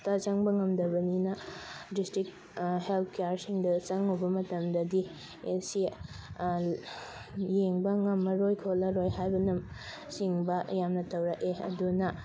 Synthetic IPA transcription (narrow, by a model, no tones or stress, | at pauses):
tat͡ʃɐŋbɐŋɐmdɐbɐninɐdistɾik̚ | helt̚ʰkejaɾsiŋdɐt͡ʃɐŋubɐmɐtɐmdɐdi | esi | jeŋbɐŋɐmːɐɾojkʰolɐɾojhajbɐnɐm | siŋbɐjamnɐtɐwɾɐkeɐ̰dunɐ